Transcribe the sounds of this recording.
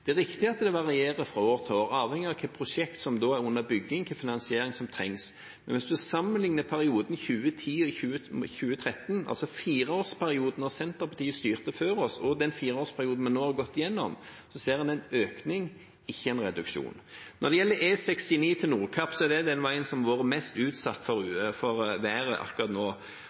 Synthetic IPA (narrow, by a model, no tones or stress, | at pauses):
d̪̥ɛæɾɪkt̪ɪɑt̪ːd̪ɛʋɑʁɪeːɾəfɾɑoːɾt̪ʰoːɾɑːʋhɛŋɪɑʋkʰɛpʰɾʊʂɛkt̪sɔmd̪oːæɾʊnːəbʏɡːɪŋk̪ʰɛfɪnɑnsɪeːɾɪŋsɔmt̪ʰɾɛ̰ŋs | mɛnʋɪsd̪ʉæsɑmənlɪŋnəpʰæɾɪuːd̪n̩çʉːət̪ʰiːçʉːəçʉːət̪ʰɾɛt̪nɑ̰lsɔfiːɾəoːspʰæɾɪuːd̪ən̩ɑsɛnt̪əɾpʰɑt̪ʰiːəst̪yːʁt̪əføːɾɔsɔd̪ɛnfiːɾəoːspʰæɾɪuːd̪n̩mɑnːoːhɑɾɡɔt̪ːɪjɛnːɔ̰m | sɔseːʁɑnɛnøːknɪŋ | ɪçːəɛnɾɛd̪ʉkʂṵːnnʔɔd̪ɛjɛlːəɾeːsɛkst̪ɪniːt̪ʰɪlnuːʁkʰɑpːsɔɛɾd̪ɛd̪ɛnʋæɪənsɔmʋoːɾəmɛst̪ʉːt̪sɑt̪ːfɔfɔɾʋæːɾəʔɑ̰kːʉʁɑt̪noː